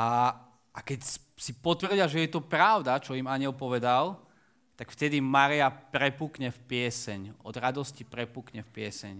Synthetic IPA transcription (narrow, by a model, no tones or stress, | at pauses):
a | akɛc | sipɔt̪ʋrɟɪaʒɛjɛt̪ɔpɾaʊd̪at͡ʃɔimaɲɪɛlpɔʋɛd̪al | t̪akft̪ɛd̪imaɾiapɾɛpuːkɲɛfpɪɛsɛɲɔd̪ɾad̪ɔscipɾɛpukɲɛfpɪɛsɛ̰ɲ